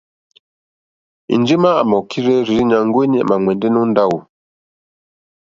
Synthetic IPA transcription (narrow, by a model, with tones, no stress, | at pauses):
ḭ˨nd͡ʒi˦maː˦˨ma˨kʰi˦ɾɛ˦ɾi˨ɾi˦ɲa˨ŋɡwe˦ɲḭ˦˨ma˨ŋwɛ˨ndɛ˦nɔ˦nda˦wu˨